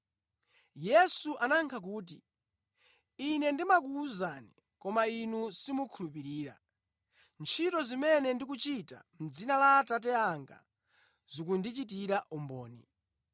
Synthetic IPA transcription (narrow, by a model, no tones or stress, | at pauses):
jɛsuʔanaŋkʰak̬uːt̬ḭ | inɛndimak̬uːzani | kɔmainusimukʰulupiɾiːɾa̰ | nt͡ʃʰitɔzimɛnɛndik̬ut͡ʃita̰m̩d͡zinalatat̬ɛaŋɡa̰ | z̥ukundit͡ʃit̬iɾaʔumbɔ̰ːnḭ